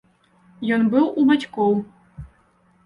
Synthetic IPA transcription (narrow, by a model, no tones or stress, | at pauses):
jonbɨwˠubatʲkow